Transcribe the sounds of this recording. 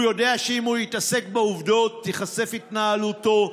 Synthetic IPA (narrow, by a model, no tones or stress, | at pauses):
jo̞de̞aʃeimhujit̪ase̞kbeuvd̪o̞t̪ːiχase̞fit̪naalut̪o̞